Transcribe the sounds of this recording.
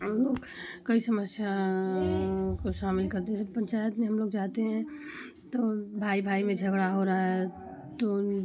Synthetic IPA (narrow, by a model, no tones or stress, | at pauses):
ɦəmloːɡ | kəisəməsja | koʃaːmɪlkɐɾt̪eɦɛsəpə̃nt͡ʃaːjət̪mẽɦəmloːɡd͡ʒaːt̪eɦɛ̃ | t̪obʱaːibʱaːimẽd͡ʒʱəɡɽaɦoɾaaɦɛ | t̪o